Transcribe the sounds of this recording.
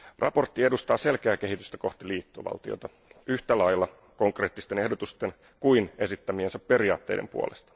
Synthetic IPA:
rɑ̰po̞rt̪ːiedust̪ɑːse̞lkeæːke̞ɦit̪yst̪æko̞ht̪iliːt̪ːoʋɑ̰lt̪io̰t̪ɑ | yht̪ælɑjlːɑ | ko̞ŋkre̞ːt̪ːist̪ene̞hdo̞t̪ust̪e̞n | kuine̞sit̪ːæmiensæpːe̞ɾiɑːt̪ːe̞̰jdʔempṵolest̪ɑ̥

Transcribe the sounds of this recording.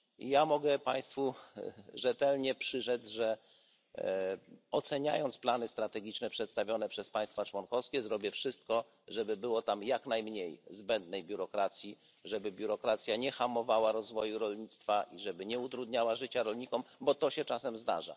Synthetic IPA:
ijamɔɡɛpaj̃st̪fu | ʐɛt̪ɛlɲɛpʂɘʐɛd̪zʐɛ | ɔt̪sɛɲa̰jɔnt̪splanɘst̪ɾat̪ɛɡʲit͡ʂnɛpʂɛt̪st̪avʲjɔnɛpʂɛspaj̃st̪fat͡ʂwɔnkɔfskʲɛzɾɔbʲjɛfʂɘst̪̚kɔ | ʐɛbɘbɘwɔt̪amjaknajmɲejzbɛnd̪nɛjbʲjuɾɔkɾat̪sʲji | ʐɛbɘbʲjuɾɔkɾat̪sʲjaɲɛxamɔvawaɾɔzvɔjuɾɔlɲit̪st̪faʔiʐɛbɘɲɛut̪ɾud̪ɲawaʐɘt͡ɕaɾɔlɲikɔmbɔt̪ɔɕɛt͡ʂasɛmzd̪a̰ʐa̰

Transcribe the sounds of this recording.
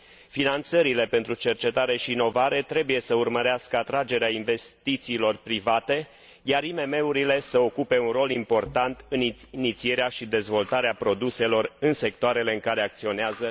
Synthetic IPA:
finant̪səɾile̞pe̞nt̪ɾut͡ʃe̞rt͡ʃe̞t̪aɾe̞ʃiːno̞vaɾe̞t̪ɾe̞buje̞səurməɾeaskəat̪ɾad͡ʒe̞ɾeainve̞st̪it̪siːlo̞rpɾivat̪e̞ | jaɾime̞me̞uɾile̞səo̞kupe̞unro̞limpo̞rt̪ant̪ɨninit̪sie̞ɾeaʃid̪e̞zvo̞lt̪aɾeapɾo̞d̪use̞lo̞rɨnse̞k̚t̪oaɾe̞le̞ɨŋkaɾe̞ak̚t̪sio̞neazə

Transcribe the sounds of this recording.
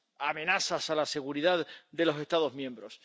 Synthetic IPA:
amẽ̞nasasalase̞ɣuɾiðaðd̪e̞lo̞se̞st̪aðo̞zmjẽ̞mbɾo̞s

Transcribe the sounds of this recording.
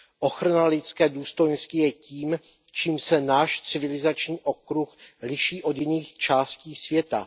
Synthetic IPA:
ʔo̞xɾanalɪt͡skɛːduːst̪o̞jnscɪjɛciːm | t͡ʃiːmsɛnaːʃt͡sɪvɪlɪzat͡ʃɲiːʔo̞kɾuxlɪʃiːʔo̞d̪jɪniːxt͡ʃaːsciːsvjɛt̪a̰

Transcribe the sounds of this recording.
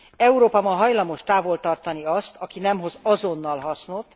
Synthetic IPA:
ɛuɾoːpɒmɒɦɒjlɒmo̞ʃt̪aːvo̞lt̪ɒrt̪ɒniɒst̪ɒkinɛmɦo̞zɒzonːɒlɦɒsno̞t̪ː

